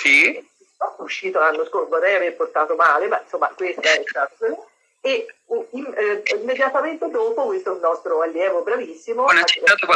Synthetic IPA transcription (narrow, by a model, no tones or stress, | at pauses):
si | at̪ːuʃːiːt̪olanːoskorbod̪ɛjaveɾport̪aːt̪omaːlemainsomːakwest̪aɛt̪akoo | euimimːed̪jat̪ament̪ed̪oːpokwest̪oɛunːɔst̪ɾoalːjɛːvobɾavisːimonat͡ʃ̪aːt̪oka